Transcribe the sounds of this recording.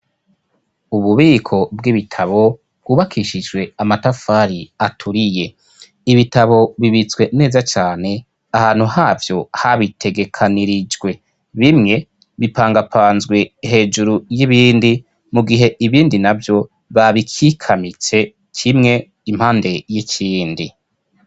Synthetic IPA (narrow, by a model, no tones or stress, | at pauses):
uβuβiːkʰo̞bɡiβitʰaβo̞ | b̥̚ɡ̥uːβakʰiʃid͡ʒɡwe̞amatafaːɾiatʰuɾije̞ | iβitaβo̞βiβit͡sɡwe̞ne̞ːzat͡ʃaːne̞ | ahaːn̥huhaːvjo̞haβitʰe̞ɡe̞kʰaniɾid͡ʒɡwe̞ | βimŋe̞ | βipaːŋɡapʰaːnzɡwe̞he̞ːd͡ʒuɾujiβiːndi | muɡiɦe̞ʔiβiːndinavjo̞ | βaβikʰikʰamit͡se̞ | kʰimŋe̞ | imhaːnde̞jicʰiːndi